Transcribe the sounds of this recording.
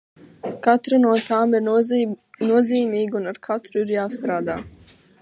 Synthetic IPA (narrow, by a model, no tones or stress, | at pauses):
kat̪ɾinuɔt̪aːmiɾ | nuɔziːmiːɡʲunaɾkʰat̪ɾuiɾjaːst̪ɾaːd̪a̰ː